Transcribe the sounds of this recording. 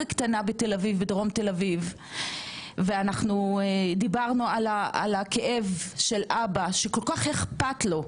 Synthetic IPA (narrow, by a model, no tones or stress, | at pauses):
kt̪anabet̪elavivbedʁo̞mt̪e̞laviv | veanaχnud̪ibaʁnualaa̰lakeʔevʃe̞lʔabaʃeko̞lkaχhe̞χpatlo̞